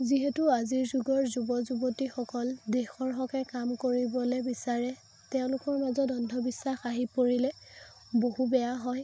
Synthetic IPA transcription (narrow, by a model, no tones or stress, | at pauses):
ziɦɛtuaziɹzuɡɔɹzubɔzubotixɔkɔldexɔɹɦɔkɛkamkoɹibɔlɛbisaɹɛ | tɛʊ̃lʊkɔɹmazɔtɔndʱɔbisːaxaɦipoɹilɛ | bohubɛjaɦɔj